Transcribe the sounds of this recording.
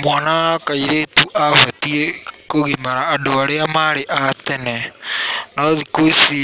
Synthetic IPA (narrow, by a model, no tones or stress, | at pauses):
mwanaakaiɾetuʔaβatiekoɣimaɾaːndoaɾeamaɾeʔatɛnɛ | nɔðikoisi